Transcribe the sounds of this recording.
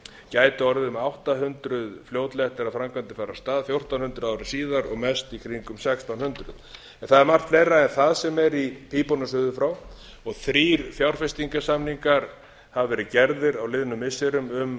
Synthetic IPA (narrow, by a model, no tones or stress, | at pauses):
caːjt̪ʏɔɾðɪʏmawht̪aɦʏnt̪ɾʏðfljoːwt̪lɛɛht̪ɪɾaðfɾamkʰvant̪ɪ̥faːɾast̪aːðfjowr̥t̪awnhʏnt̪ɾʏðaːwɾɪsiːðaɾɔɣmɛst̪ikʰɾiŋkʏmsɛkst̪awnhʏnt̪ɾʏ̰ð | ɛnθaðɛɾmar̥t̪vejrːaɛnθaðsɛmɛɾipʰiːpɔnʏʏðʏfɾaw | ɔɣθɾiːɾfjawɾ̥fɛst̪iŋkasamniŋkaɾ̥ | haðvɛːɾɪcɛɾðɪɾawlɪðnʏmːɪsɛɾʏmʏm